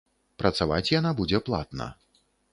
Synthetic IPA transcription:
pɾɐt̪sava̰t͡sʲjanabud͡zʲɛplˠa̰t̪nɐ̰

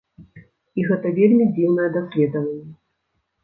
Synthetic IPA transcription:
iɣɛt̪ɐvʲelʲmʲid͡zʲiwnɐjɛd̪asʲlʲɛd̪ɐvɐnʲːɛ

